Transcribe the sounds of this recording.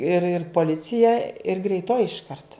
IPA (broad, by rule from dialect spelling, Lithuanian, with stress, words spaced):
ɪr ɪr poːˈlʲɪt͡sʲɪjɛ ɪr ɡrʲɛɪˈtoːjɪ ɪʃˈkɐrt